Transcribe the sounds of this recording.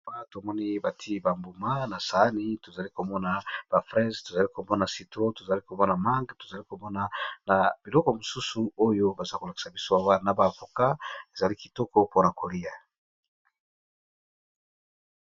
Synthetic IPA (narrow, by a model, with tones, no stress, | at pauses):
a˦to˨mɔ˦ni˦ba˨tʰi˦ba˨mbu˨ma˦na˨sa˨˦ni˦to˨za˨li˦ko˨mɔ˦na˨b̥a˨fʁɛ˦zto˨za˨li˦ko˨mɔ˦na˨si˨tʁo˦to˨za˨li˦ko˨mɔ˦na˨ma˦ŋɡto̥˨za˨li˦ko˨mɔ˦na˨na˨b̥i˨lɔ˦kɔ˨mo˨su˦su˨o˦jo˦ba˨za˦ko˨la˨ki̥˨sa˨bi˦so˦a˨wa˦˨na˨ba˨fo˨ka˦e˨za˨li˦ki˨tɔ˦kɔ˦po˦na˨kʰo˨li˦ja˨